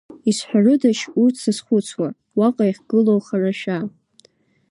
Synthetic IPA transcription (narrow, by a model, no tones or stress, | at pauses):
isħʷᶣarɨdaʃursʰɨsχʷʊt͡sʰwa | waqʼajχʲɡ̥ɨlowχaraʃa